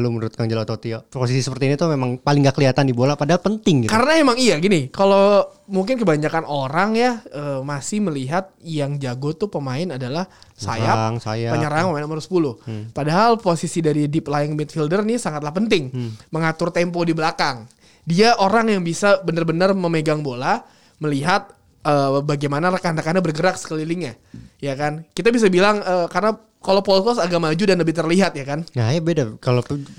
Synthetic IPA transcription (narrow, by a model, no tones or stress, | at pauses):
lumənuɾʊt̪̚kand͡ʒaloat̪ot̪ioposisisəpərt̪iːnit̪umemaŋpalɪŋɡakəliɦat̪andibolapadaɦalpənt̪ɪŋɡkaɾənamemaŋijaɡinɪkalomuŋkɪnkəbaɲakanʔoɾaŋjaəːmasɪhməliɦat̪̚jaŋd͡ʒaɡot̪upəmaɪnadalahsa̰jaŋsajapəɲəɾaaŋpəmaɪnamaɾsə̥pulʊhpadaɦalposisidaɾidiplaɪŋbɛt̪̚fildərnisaŋat̪̚lahpənt̪ɪŋməŋat̪ʊrt̪ɛmpodibəlakaŋ | diaʔoɾaŋjaŋbisabənərbənərməmeɡaŋbola | məliɦat̪̚ | əːbaɡajmanaɾəkanrəkanabərɡəɾak̚sə̥kəliliŋɲa | jakankit̪abis̬abilaŋəːkarəna | kalopɔlkɔsaɡaʔmad͡ʒudanləbɪht̪ərliɦat̪̚jakanŋajabedakalop